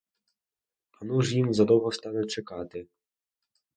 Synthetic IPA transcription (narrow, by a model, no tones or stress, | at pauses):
ɐnuʒjimzɐd̪ɔwɦɔst̪ɑnɛt͡ʃɛkɑt̪ɪ